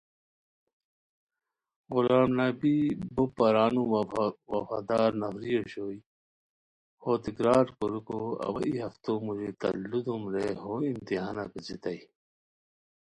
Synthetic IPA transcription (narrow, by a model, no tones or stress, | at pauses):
ɣulaːmnabibopɐɾaːnuwɐfa̰ːd̪aːɾnɐfɾijoɕoːi | hoːt̪ikɾaːɾkoɾukoɐ̰wɐ̰ʔiɦɐft̪omuʑit̪ɐ̰lːud̪umɾeɦoimt̪iɦaːnakət͡sit̪ɐi